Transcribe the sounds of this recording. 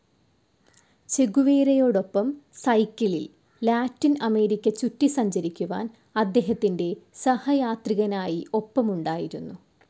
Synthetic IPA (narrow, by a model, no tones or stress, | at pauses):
t͡ɕe̞ɣuʋeːɾɐjo̞ːɽo̞pːɐmsɐjkːiɭḭl | laːtːinɐme̞ːɾikʲːɐt͡ɕutːisɐɲd͡ʑɐɾikʲːuʋa̰ːn | ɐd̪ːe̞ːɦɐt̪ːinde̞sɐhɐjaːt̪riɣɐnaːjiʔo̞pːɐmuɳɖaːjiɾunːu